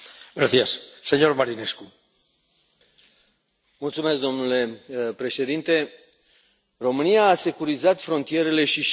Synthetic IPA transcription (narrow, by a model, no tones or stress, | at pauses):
ɡɾaθiasːeɲo̞ɾmaɾinesku | mult̪sumesk̚d̪o̞mnule̞pɾe̞ʃe̞d̪int̪e̞ | ro̞mɨniaːse̞kuɾizat̪fɾo̞nt̪ije̞ɾe̞le̞ʃiʃ